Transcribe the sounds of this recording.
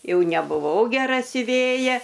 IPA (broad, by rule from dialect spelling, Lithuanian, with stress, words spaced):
ˈjɛʊ nʲɛbʊˈʋɐʊ ɡʲɛˈrɐ sʲʊˈʋʲeːjɛ